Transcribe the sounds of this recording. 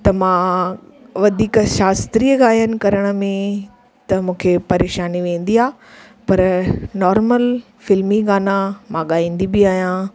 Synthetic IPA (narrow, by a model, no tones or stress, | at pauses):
t̪ɐmãː | ʋɐd̪ʱiːkʃaːst̪ɾiːəɡaːjənɪ̆kɐɾəɽ̃ə̆mẽ | t̪ɐmũːkʰepɐɾeːʃaːniʋẽːnd̪iaː | pɐɾnɔːɾməl | fɪlmiɡaːnamãɠaːĩːn̆d̪ibɪaːijã